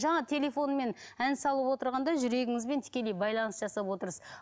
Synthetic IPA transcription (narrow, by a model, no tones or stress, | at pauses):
ʒɑɴɑt̪ʲʰe̞lʲe̞fo̞nme̞nænsɑlˠəpwo̞t̪əɾʁɑnd̪ɑʒʏɾe̞ɡʲɪŋɪzbe̞nt̪ʰɪ̥kʲe̞le̞jbɑjlˠɑnəsʒɑsɑpwo̞t̪əɾəz